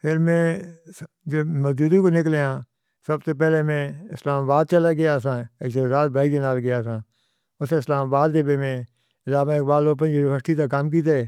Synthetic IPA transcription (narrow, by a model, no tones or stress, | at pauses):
pʰɪɾmẽː | d͡ʒoːməzd͡ʒuːd̪ĩkoːnɪkleãː | səbseːpɛːleːmẽːɪslaːmaːbaːd̪̚t͡ʃəlaːɡɪjaːs̬ãːeksoːzaːt̪̚bʱaːid͡ʒ̪enaːlɡɪjaːsãː | ʊseːɪslaːmaːbaːd̪deːbeːmẽː | ɪlaːmãːkbaːd̪loːp̬ə̃nd͡ʒibəsʈ̪it̪aːkaːmk̬iːt̪eɛː